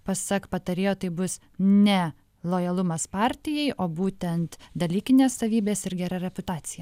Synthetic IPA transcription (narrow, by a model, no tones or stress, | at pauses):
pɐsɐkpɐt̪ɐɾʲeːjoːt̪ɐɪbʊs | nʲɛ | lˠoːjɐlˠʊmɐspɑːɾʲt̪ʲɪjɛɪʔoːbuːt̪ʲɛnt̪d̪ɐlʲiːkʲɪnʲeːssɐʋʲiːbʲeːsɪɾɡʲɛɾɐɾʲɛpʊt̪ɑːt̪sʲɪjɛ